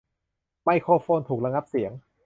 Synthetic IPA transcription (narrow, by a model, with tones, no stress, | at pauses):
ma˧˥˩jkʰoː˧foː˧nt̪ʰuː˨˩k̚la˧ŋa˦˥p̚si˩˦əŋ